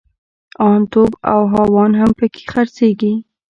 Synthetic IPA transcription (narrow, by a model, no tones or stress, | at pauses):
ɑnt̪oba̰wɦɑwɑnɦampəkʰe̥xaɾseɡi